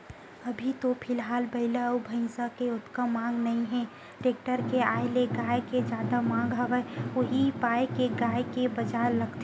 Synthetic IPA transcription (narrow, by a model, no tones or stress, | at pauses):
ɐbʱit̪opʰɪlɦaːlbəɪlaubʱə̃ɪ̃sakeʊt̪kəmãːŋɡnɐɦĩɦɛ̃ | ʈeːk̚ʈəɾkeaːeleɡaːjked͡ʒaːd̪amãːŋɡɦəʋəʊɦipaːjkeɡaːjkebəd͡ʒaɾləɡt̪e